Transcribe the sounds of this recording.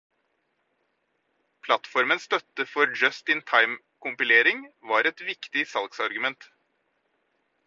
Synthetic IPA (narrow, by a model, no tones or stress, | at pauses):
pʰlɑt̪fɔɾmənsst̪œt̪əfɔɾd͡ʒœst̪ɪnt̪ʰɑɪm | kʊmpɪleːɾɪŋʋɑːɾɛt̪ʋɪkt̪ɪsɑlɡsɑɾɡʉmɛnt̪